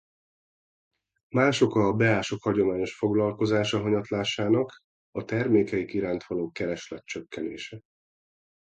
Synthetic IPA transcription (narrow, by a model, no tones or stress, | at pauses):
maːʃo̞kɒːbɛaːʃo̞khɒɟo̞maːɲo̞ʃfo̞ɡlɒlko̞zaːʃɒɦɒɲɒt̪laːʃaːnɒk | ɒt̪ɛrmeːkɛjikiɾaːnt̪ʋɒloːkɛɾɛʃlɛt̪̚t͡ʃøkːɛneːʃɛ